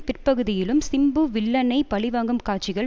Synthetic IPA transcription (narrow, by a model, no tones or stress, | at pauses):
pɪrpɐɣɯðɪjɪlɯmsɪmbɯʋɪɭːɐnɐɪpɐɭɪʋaːŋɡɯmkaːʈt͡ʃɪɣɐɭ